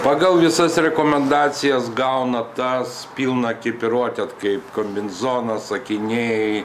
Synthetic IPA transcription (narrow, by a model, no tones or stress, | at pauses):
pɑːɡɐlˠʋʲɪsɐsɾʲɛkoːmʲɛnd̪ɑːsʲɪjɛsɡɐʊnɐt̪ɐspʲiːlˠnɐkʲɐɪpɪɾoɔt̪ʲɛt̪kɐɪpkomʲbʲɪnzoːnɐsɐkʲɪnʲej